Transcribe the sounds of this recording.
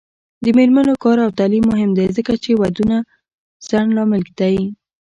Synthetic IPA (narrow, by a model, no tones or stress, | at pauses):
d̪əmeɾmanokɑɾawt̪alimːʊɦɪmd̪ezəkat͡ʃewad̪una | z̥anlɑmɪlɡt̪aji